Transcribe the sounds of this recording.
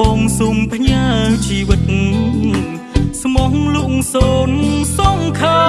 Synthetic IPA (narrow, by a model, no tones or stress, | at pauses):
ɔːŋsuːmpʰɲaːllt͡ɕiːʋɨt̪̚n | smoŋluŋsoːnsɔŋkʰaː